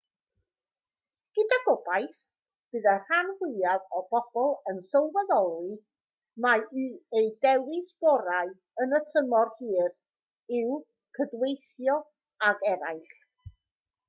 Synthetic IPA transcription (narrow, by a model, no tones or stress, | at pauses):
ɡ̥ədaɡɔbajθ | b̥ɨðər̥anhwɪaðɔbɔb̥ɔlˠənsɔwvɛðɔlˠɨ | maiejdɛwɪsb̥ɔɾaɨ | ənətʰəmɔrhɨːr | ɪw | kʰədwejθjɔ | aɡɛɾajχ